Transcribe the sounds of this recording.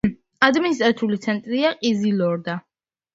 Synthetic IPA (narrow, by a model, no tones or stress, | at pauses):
ad̪minis̬t̪ʼɾat̪ʰulit̪sʰɛnt̪ʼɾiaqʼizilɔɾd̪a